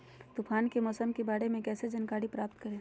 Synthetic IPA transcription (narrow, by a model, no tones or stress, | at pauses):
t̪ʊpʰaːnkemɔːsəmkebaːɽemẽkɛːsed͡ʒɐnkaːɽipɾaːp̚t̪kɐɾẽ